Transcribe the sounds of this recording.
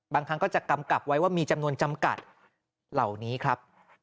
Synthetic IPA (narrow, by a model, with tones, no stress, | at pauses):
baː˧ŋkʰa˦˥ŋkɔː˥˩t͡ɕa˨˩ka˧mka˨˩p̚wa˦˥jwaː˥˩miː˧t͡ɕa˧mnu˧ənt͡ɕa˧mka̰˨˩t̪̚ | la˨˩wniː˦˥kʰɾa˦˥p̚